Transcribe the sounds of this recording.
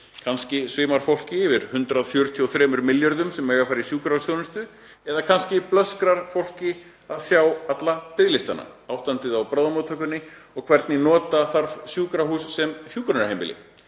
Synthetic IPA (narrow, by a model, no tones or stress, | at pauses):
kʰanscɪsvɪːmaɾ̥fowl̥cɪvɪɾ̥hʏnt̪ɾaðfjœɾ̥t̪ʰiɔθɾɛːmʏɾmɪljœɾðʏmsɛmɛːɣafaːɾɪsjuːkɾawsjownʏst̪ʏ | ɛðakʰanscɪplœskɾaɾ̥fowl̥cɪ | aðsjawat̪lapɪðlɪst̪anːa̰aːwst̪ant̪ɪðawpɾaːðamɔːt̪ʰœːkʏnːɪɔɣkʰv̥ɛɾt̪nɪnɔːt̪aθaɾvsjuːkɾaɦuːsːɛmhjuːkɾanʏɾhejmɪ̰lɪ̰